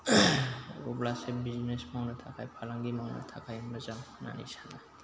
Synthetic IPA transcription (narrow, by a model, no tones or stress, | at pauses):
oblasebiznesmawnet̪ʰakajpʰalaŋɡimawnḛt̪ʰakʰajməzamna̰nḭʃana